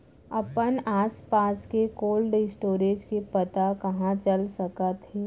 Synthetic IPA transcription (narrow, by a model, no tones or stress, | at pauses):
ɐpənaːspaːskekoːlɖɪsʈoːɾeːd͡ʒkepɐt̪akɐɦãt͡ʃəlsɐkət̪ɦe